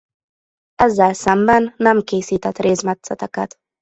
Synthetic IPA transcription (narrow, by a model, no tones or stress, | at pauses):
ɛzːɛlsɛmbɛnːɛmkeːsiːt̪ɛt̪rʔeːzmɛt̪sɛt̪ɛkɛt̪